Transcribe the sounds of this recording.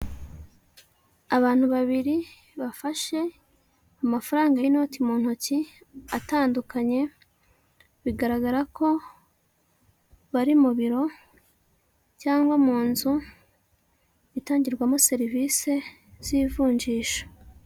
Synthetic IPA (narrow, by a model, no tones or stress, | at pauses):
aβaːn̥huβaβiɾi | βafaʃe̞ | amafaɾaːŋɡano̞ːtimuːn̥hoci | ataːndukaɲe̞ | βiɡaɾaɡaɾakʰo̞ | βaɾimuβiɾo̞ | caːŋɡwamuːnzu | itaːɲɟiɾɡwamose̞ɾivise̞ | z̥iːvuːɲd͡ʒiːʃo̥